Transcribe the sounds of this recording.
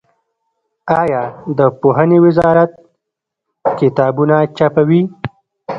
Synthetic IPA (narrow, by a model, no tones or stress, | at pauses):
ɑjɑd̪əpoɦənewɪzɑɾat̪̚ | kɪt̪ɑbunat͡ʃapawi